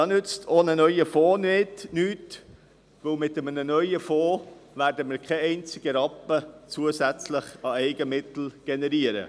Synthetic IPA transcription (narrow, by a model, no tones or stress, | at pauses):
ɑnʏt͡stʰoːnənœʏəfoːnɪtnyːt | vɵwmɪt̪əmənənœʏəfoːvæːɾdəmɪːɾkʰɛɛɪnt͡sɪɡ̥əɾɑpːət͡suəsæt͡slɪχɑɛɪɡəmɪt̪l̩ɡ̥ɛnɛɾiəɾə̰